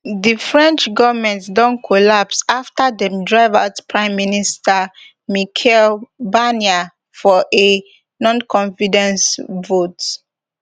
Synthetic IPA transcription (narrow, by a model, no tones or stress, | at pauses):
difɹɛ̃nt͡ʃɡɔvmɛ̃ntsdɔ̃nkʰolapsaftadɛ̃mdɹaɪvatpʰɹãɪ̃mːinistʰa | mikʰɛlbania | fɔʔe | nɔ̃nkʰɔ̃nfidɛ̃nsvot